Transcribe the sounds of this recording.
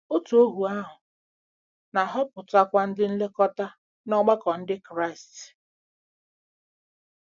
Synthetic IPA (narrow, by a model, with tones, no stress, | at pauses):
o˦tu˨o˦ɦu˨a˦ɦʊ˨ | na˨ɦɔ˦pʊ˨ta˦kʷa˦n̩˦dɪ˦n̩˦le˦kɔ˦ta˦ | nɔ˦ɡ͡ba˦kɔ˨n̩˦dɪ˦kɾa˦ɪ˨st